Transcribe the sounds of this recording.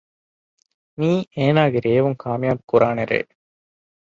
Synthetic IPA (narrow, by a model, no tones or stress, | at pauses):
niːeːnaːɡeɾeːʋuŋkʰaːmjaːbkuɾaːneɾḛː